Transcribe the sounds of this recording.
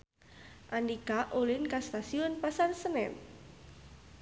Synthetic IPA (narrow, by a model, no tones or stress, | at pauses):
ʔandikaʔolɪnkast̪asiɔnpasarsənɛ̰t̪̚